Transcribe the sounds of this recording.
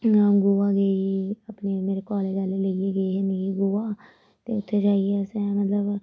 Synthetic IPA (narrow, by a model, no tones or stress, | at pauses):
ɡuːaːɡəiːapneːmeːɾeːkɔːleːd͡ʒaːleləieːɡəiːɦɪ̃nd̪eɡiːɡʊaː | t̪ḛːʊt̪ʰːeːd͡ʒaːiɛsɛːmət̪ləb